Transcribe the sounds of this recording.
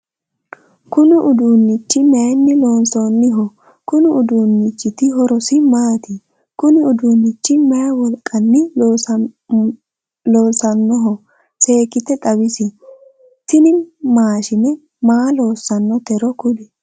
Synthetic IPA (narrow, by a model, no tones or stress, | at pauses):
kʊnɪʔʊd̪uːnːɪt͡ʃːɪmɛjɐnːɪloːnsoːnːɪɦɔ | kʊnɪʊd̪uːnːɪt͡ʃːɪt̪ɪɦɔɾɔsɪmaːt̪ɪ | kʊnɪʊd̪unːɪt͡ʃːɪmɛjɐwɔlkʼːɐnːɪ | loːsɐnːɔɦɔ | se̞ːkɪt̪ɛt̪ʼɐwɪsɪ | t̪ɪnɪmaːʃɪnɛ | maːloːsːɐnːɔt̪ɛɾɔkʊlɪ